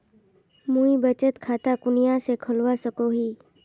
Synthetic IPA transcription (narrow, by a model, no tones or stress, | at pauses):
mũibət͡ʃət̪kʰaːt̪akʊnijãsekʰəlʋasəkoɦiː